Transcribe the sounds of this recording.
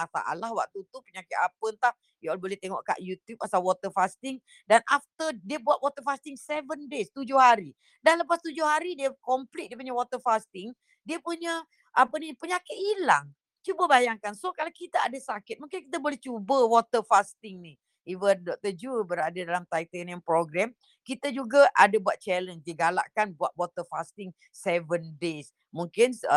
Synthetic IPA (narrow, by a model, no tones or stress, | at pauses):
afa̰ʔa̰lahwa̰ʔ̚t̪ut̪upəɲakɪt̪apənt̪ah | jalbolɛht̪eŋɔ̰ʔka̰ʔjut̪jup̚ːasalwɔt̪əfast̪ɪŋ | danʔaft̪ədiəbuat̪̚wɔt̪əfast̪ɪŋsevəndest̪ud͡ʒʊhɦaɾi | danləpast̪ud͡ʒʊhɦaɾidiəkɔmplit̪̚diəp̬uɲawɔt̪əfast̪ɪŋ | diəpuɲə | ʔapənipəɲakɪt̪̚ila̰ŋ | t͡ʃubəbajaŋkansokalakit̪aadasakɪt̪̚mũŋkɪnkit̪̬abolɛht͡ʃubəwɔt̪əfast̪ɪŋni | ivəndɔk̚t̪əd͡ʒubəɾadadalamt̪ait̪ənjaŋpɾoɡɾɛm | kit̪ad͡ʒuɡaʔadabuat̪̚t͡ʃɛləndiəɡala̰ʔkanbuat̪̚wɔt̪əfast̪ɪŋ | sɛvəndes | muŋkɪns